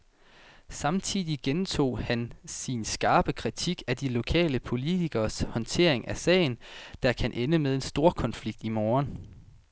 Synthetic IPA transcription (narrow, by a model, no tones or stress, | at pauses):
sɑ̈mt͡sʰiðˠiɡ̥ent͡sʰo̝̰ːhænsinsɡ̥ɑ̈ːb̥əkʰʁit͡sʰiɡ̥æd̥ilo̝kʰɛ̰ːləpʰo̝lit͡sʰiɡ̥ɐshɒ̽nt͡sʰe̝ɐ̰e̝ŋæsɛ̰ːɪn̩d̥ɑ̈kʰænʔenəmeð̞ˠe̝nsd̥o̝ːɐ̰kʰɒ̽nfliɡ̥̚d̥imoːɐn